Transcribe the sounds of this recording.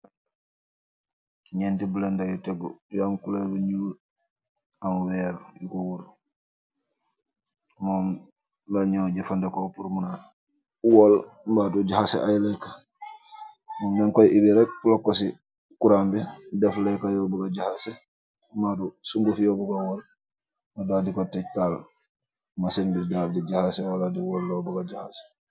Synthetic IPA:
kiɲentibulendajuteɡujamkuleɾbuɲuːl | amwɛɾjukowuɾ | moːm | laɲoɟifandekopuɾmuna | wɔol | mbaduɟahasḛʔajlɛka | mɔmbɛŋkɔjʔibiɾɛk̚pulɔkːɔsi | kuɾambɛdɛflɛkajɔbuɡad͡ʒahasɛ | madusuŋɡufijɔbuɡawɔl | madadikɔtɛtal | masinbid͡ʒafdid͡ʒahasɛwaladiwɔlːɔbuɡad͡ʒahasɛ̥

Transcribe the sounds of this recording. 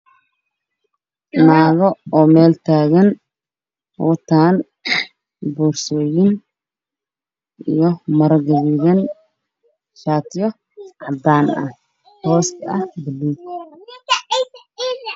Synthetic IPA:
naːɣɔɔːmɛːlt̪ʰaːɣɐn | hɔt̪ʰaːn | buːrsɔːjɪn | ʔijɔmɐɾɐɡɐβiɣɐn | ʃaːt̪ʰjɔ | ʕɑd̪aːnɐ̰ | hɔːskɐhbɪlːi

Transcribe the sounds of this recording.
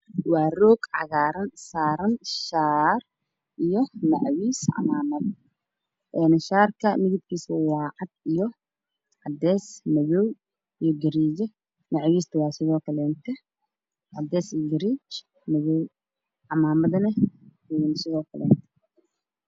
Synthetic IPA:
wɑːrɔːɡʕɑ̰ɣaːɾɐnsaːɾɐnʃaːr | ʔijɔnɐʕwiːsʕɑ̰maːmɐð | ʔɛːnʃaːrkʰɐmɪɣɪd̪kʰiːsʊwɑːʕɑd̪̚ijɔ | ʕɑd̪ɛːsmɐβɔw | ijɔɡɪɾiːd͡ʒɛ | nɐʕwiːst̪ʰɐwɑːsɪðɔːkʰɐlɛːnt̪ʰɛ | ʕɑd̪ɛːsɡɪɾiːt͡ʃ | mɐβɔw | ʕɑmaːmɐðɐnɐ | nsɪðɔːkʰɐlɛ̰ːnt̪

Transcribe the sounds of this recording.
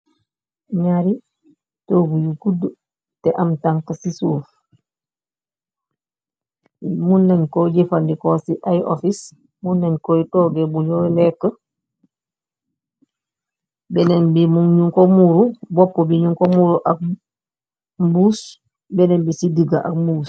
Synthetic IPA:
ɲaɾi | toɡujuɡudːu | tɛʔamtaŋkasisuf | munːɛnkɔd͡ʒefandikɔsiʔajʔɔfis | munːɛnkɔitɔɡɛbuɲɔlɛkːə | bɛnɛnbimuŋɲuŋkɔmuɾubɔpːɔbiɲuŋkɔmuɾuʔak̚ | mbuːs | bɛnɛnbisidiɡaʔa̰kmbus

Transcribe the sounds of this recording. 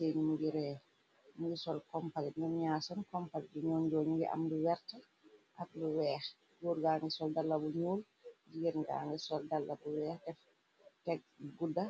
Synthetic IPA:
seːɲimuɡiɾɛː | muɡisɔlkɔmpalinumɲaːsɐnkɔmpaliduɲɔːnd͡ʒɔːɲuɡḭʔa̰mduwɛɾtɐ | ʔak̚luwɛːx | ɡuːɾɡaːŋɡɛsɔldalːɐbuɲuːl | d͡ʒiɡiɾɡa̰ːŋɡɛsɔldalːɐbuwɛːxdɛf | tɛk̚ɡudɐ

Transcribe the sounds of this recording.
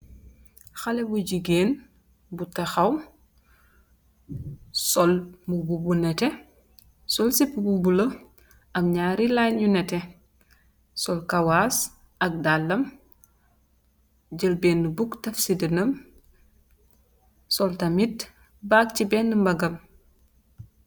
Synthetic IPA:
xɐlɛbuɟiɡeːn | butɐxɐw | sɔlmububunɛtɛ | sɔlsipːbubulɐ | ʔɐmɲaːɾilanɲunɛtɛ | sɔlkɐwaːs | ʔɐk̚dalːɐm | ɟəlbeːnːubuktɐfsidənɐm | sɔltɐmit | baːk̚cibɛːnːəmbɐɡɐm

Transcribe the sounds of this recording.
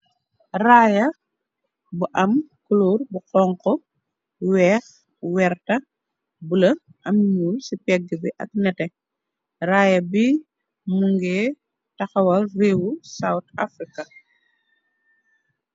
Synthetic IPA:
raːjɐ | buʔɐmkuloːrbuqɔŋkɔ | wɛːx | wɛɾtɐ | bulɐ | ʔɐmɲuːlsipɛɡːibiʔɐ̰k̚nɛtɛ | raːjɐbi | muŋɡɛː | tɐxɐwɐlreːwusawta̰fɾikɐ

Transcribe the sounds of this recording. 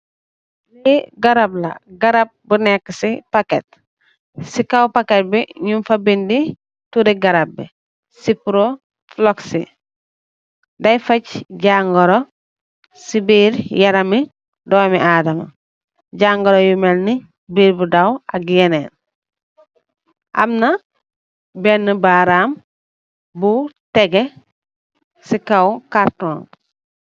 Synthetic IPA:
liɡɐɾablɐ̰ɡɐɾap̚bunɛkːəsipaket̚ | sikawpaket̚biɲumfɐbindi | tuɾiɡɐɾab̚ːḭ | sipuɾo | floksi | dɐjfɐcɟaŋɡɔɾo | sibiːɾjaɾɐmi | doːmiʔaːdama | ɟaŋɡoɾojumelni | biːɾbudawa̰ɡieneːn | ʔa̰mna | benːəbaɾaːm | buteɡe | sikawkaɾtoːn

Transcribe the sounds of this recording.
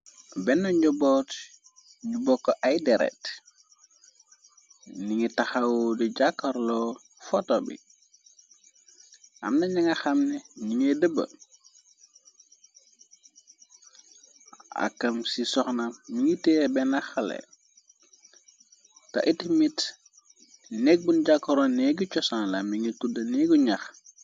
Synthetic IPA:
bɛnːɔɲɔbɔt | ɲubɔkːoʔajdɛɾɛ̰t | niŋitɐxawoduɟakːɐɾlɔ | fɔtobḭ | ʔa̰mnɐɲaŋɐxɐmnɛniŋedəbə̰ | a̰kːɐmsisɔxnamiŋitɛːbɛnaxɐlɛ̰ | tɐ̰ʔitimit | nek̚bunɟakːɔɾɔnɛɡut͡ʃɔsanlɐmiŋitudɐnɛɡuɲax

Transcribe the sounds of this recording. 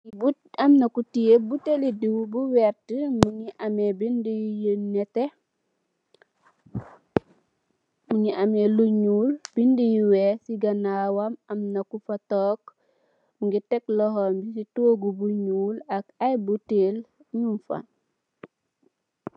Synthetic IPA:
bu | amnɐkutijebutelidiwbuwɛɾtəmuɲiʔamebindijijənɛte | muɲiʔameluɲuːlb̥indijiwɛsiɡɐnaːwamɐmnɐkufatɔːk | muŋɡitɛklɔɦɔmbisitoːɡubuɲuːlɐkajbutel | ɲumfa̰n

